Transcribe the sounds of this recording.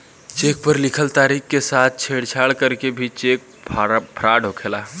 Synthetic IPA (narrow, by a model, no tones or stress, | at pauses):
t͡ʃeːk̚pəɾlɪkʰəlt̪aːɾiːxkesaːt̪̚ʰt͡ʃʰeːɽt͡ʃʰaːɭkəɾkebʱit͡ʃeːk̚ | pʰpʰɾaːɖʱokʰeːlaː